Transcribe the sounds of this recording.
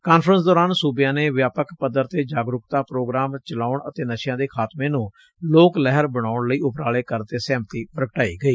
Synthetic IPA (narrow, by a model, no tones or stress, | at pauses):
kaːnfʰɾəns̬d̪ɔːɾaːnsuːbjãːneːʋjaːpəkpəd̪əɾt̪eːd͡ʒaːɡɾʊkt̪aːpɾoːɡɾaːmt͡ʃəlaːʊɳət̪eːnəʃjãːd̪eːkʰaːt̪mẽːnũː | loːklɛɦəɾbəɽ̃aːʊɳləiːʔʊpɾaːleːkəɾt̪eːsɛːmt̪iːpəɾəkʈaːḭːɡəiː